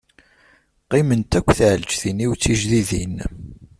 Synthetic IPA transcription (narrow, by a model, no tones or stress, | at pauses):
qɪmənt̪ækʷːθʕəld͡ʒθiniwt͡sːiʒðiðḭn